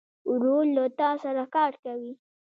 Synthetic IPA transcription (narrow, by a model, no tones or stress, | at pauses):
ɾolːot̪ɑsaɾakɑɾkawi